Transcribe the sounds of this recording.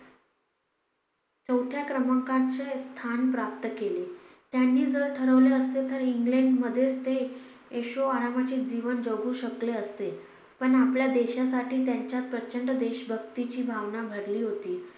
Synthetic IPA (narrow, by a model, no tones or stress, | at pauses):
t͡səwt̪ʰjakɾəməŋkãnt͡sest̪ʰanpɾap̚t̪əkele | t̪janːiːd͡zəɾʈʰəɾəʋleəst̪et̪əɾiŋɡleɳɖməd̪ʱːjet͡st̪eː | ɕoaɾamat͡ɕiːd͡ʑiʋənd͡zəɡuːɕəkleəst̪e | pəɳapljad̪eɕasaʈiːt̪jaɲt͡ɕjat̪̚pɾət͡ɕəɳɖəd̪eɕbʱəɡt̪it͡ɕiːbʱaʋnabʱəɽliːɦot̪iː